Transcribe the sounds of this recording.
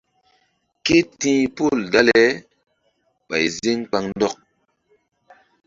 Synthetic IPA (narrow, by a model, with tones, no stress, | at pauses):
ke˦tĩː˦po˦˨lda˦lɛ˦ | ɓa̰˨jze˦ŋk͡pa˨ŋn˦dɔ˦k̚